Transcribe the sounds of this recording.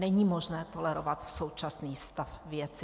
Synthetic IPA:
nɛɲiːmoʒnɛːt̪o̞lɛɾovat̪sowt͡ʃasniːst̪afvjɛt͡sɪ

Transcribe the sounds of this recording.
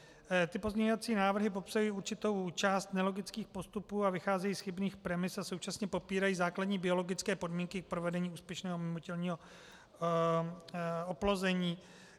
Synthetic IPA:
t̪ɪpo̞zɲɛɲovat͡siːnaːvr̩ɦɪp̬o̞psajiːuɾt͡ʃɪt̪o̞wt͡ʃaːst̪nɛlo̞ɡɪt͡skiːxpo̞st̪upuːavɪxaːzɛjiːsxɪbniːxpɾɛmɪsaso̞wt͡ʃasɲɛpo̞piːɾajiːzaːkladɲiːbɪo̞lo̞ɡɪt͡skɛːpo̞dmiːŋkɪk̚pɾovɛdɛɲiːuːspjɛʃnɛːɦomɪmocɛlɲiːɦo̞ | oplo̞zɛɲiː

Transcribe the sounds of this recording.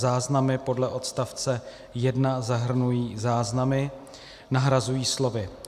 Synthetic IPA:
zaːznamɪpo̞dlɛʔo̞t̪st̪aft͡sɛ | jɛdnazaɦr̩nujiːzaːznamɪ | naɦɾazujiːslo̞vɪ

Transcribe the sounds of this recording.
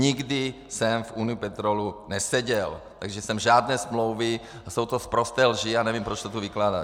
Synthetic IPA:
ɲiɡdɪ | sɛmfʔuːnijupɛt̪ɾolunɛsɛɟɛlt̪aɡʒɛsɛmʒaːd̪nɛːsmlowvɪ | asowt̪ospɾost̪ɛːlʒianɛvimpɾot͡ʃsot̪uviklaːda

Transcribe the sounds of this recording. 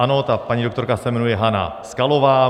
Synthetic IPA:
anoːt̪apːaɲid̪ok̟t̪oɾkasemenueɦana̰sɨ̥kaloβaː

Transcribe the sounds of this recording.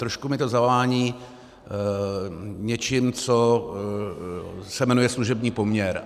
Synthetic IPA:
t̪ɾoʃkumɪt̪o̞zavlaːɲiː | ɲɛt͡ʃɪmt͡so̞ | sɛmɛnujɛsluʒɛbɲiːpo̞mɲɛɾ

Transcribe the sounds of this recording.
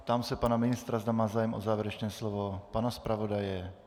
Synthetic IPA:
t̪amsɛpanamɪnɪst̪ɾazd̪amaːzaːjɛmʔo̰zaːvjɛɾɛt͡ʃnɛːslovopanaspɾavodajɛ

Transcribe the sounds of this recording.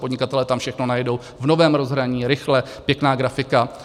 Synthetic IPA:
podɲɪkat̪ɛlɛt̪amfʃɛxno̞najɛdo̞w | vno̞vɛːmɾo̞zɦɾaɲiːɾɪxlɛ | pjɛknaːɡɾafɪka

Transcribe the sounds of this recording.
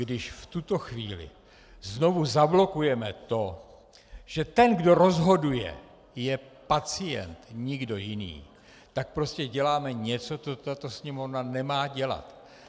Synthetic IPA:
ɡdɪʃft̪ut̪o̞xviːlɪ̰ | zno̞vuzablo̞kujɛmɛt̪o̞ | ʒ̥ɛt̪ɛnɡdo̞ɾo̞zɦo̞dujɛ̰ | jɛpat͡sɪjɛ̰nt̪ɲɪɡdo̞jɪnḭː | t̪ak̚pɾo̞scɛɟɛlaːmɛɲɛt͡so̞t͡sot̪at̪o̞sɲɛmovnanɛmaːɟɛla̰t̪

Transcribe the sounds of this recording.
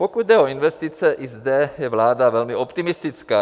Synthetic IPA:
pokud̪d̪ɛoinʋɛst̪it͡sɛʔizd̪ɛjɛvlaːd̪avɛlmiopt̪imist̪it͡skaː

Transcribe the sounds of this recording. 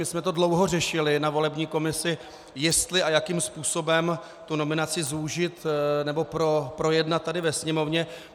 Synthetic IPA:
mɪsmɛt̪o̞dlo̞wɦo̞r̝ɛʃɪlɪnavo̞lɛbɲiːko̞mɪsɪ | jɛst̪lɪʔajakiːmspuːso̞bɛm | t̪uno̞mɪnat͡sɪzuʒɪt̪nɛbo̞pɾopɾo̞jɛdnat̪̚ːadɪvɛsɲɛmo̞vɲɛ

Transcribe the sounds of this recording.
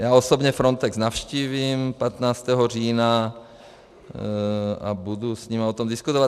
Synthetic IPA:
jaːosobɲɛfɾont̪ɛksnafʃciːviːmpat̪naːt͡st̪ɛːɦoriːna | a̰budusɲimaot̪omdɪskut̪ova

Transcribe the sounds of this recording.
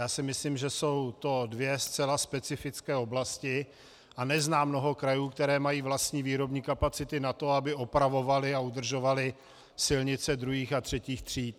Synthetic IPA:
jaːsɪmɪsliːmʒɛso̞wt̪o̞dvjɛst͡sɛlaspɛt͡sɪfɪt͡skɛːo̞blascɪ | ʔanɛznaːmno̞ɦo̞kɾajuːkt̪ɛɾɛːmajiːvlast̪ɲiːviːɾo̞bɲiːkapat͡sɪt̪ɪnat̪o̞abɪopɾavo̞valɪaud̪r̩ʒo̞valɪ | sɪlɲɪt͡sɛd̪ɾuɦiːxat̪r̥ɛciːxt̪r̝̥iːt̪̚

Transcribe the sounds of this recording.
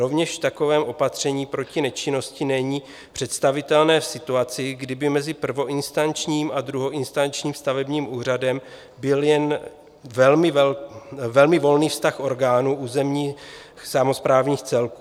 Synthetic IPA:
ɾo̞vɲɛʃft̪ako̞vɛːmʔo̞pat̪r̝̥ɛɲiːpɾo̞cɪnɛt͡ʃɪno̞scɪnɛɲiː | pr̥ɛt̪st̪avɪt̪ɛlnɛːfsɪt̪uat͡sɪɡdɪbɪmɛzɪpr̩vo̞ʔɪnst̪ant͡ʃɲiːmʔad̪ɾuɦo̞ʔɪnst̪ant͡ʃɲiːmst̪avɛbɲiːmʔuːr̝adɛm | bɪljɛn | vɛlmɪ | vɛlmɪvo̞lniːfst̪axʔo̞ɾɡaːnuʔuːzɛmɲiː | xsamo̞spɾaːvɲiːxt͡sɛlkuː

